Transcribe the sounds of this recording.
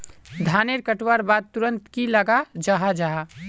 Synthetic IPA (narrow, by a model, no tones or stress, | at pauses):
d̪ʱaneɾkəʈwaɾbad̪̚t̪uɾənt̪kiləɡad͡ʒaɦad͡ʒaa